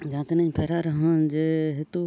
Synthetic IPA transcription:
d͡ʒãːt̪nə̃pʰeːɾaɾəɦə̃d͡ʒeːɦɪt̪o

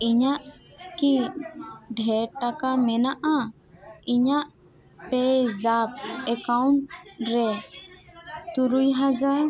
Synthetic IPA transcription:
iɲaʔki | ɖʱɛɾʈakamɛnaʔa | iɲaʔ | pɛd͡ʒap̚ɛkawɳʈɾɛ | t̪uɾujɦad͡ʒaɾ

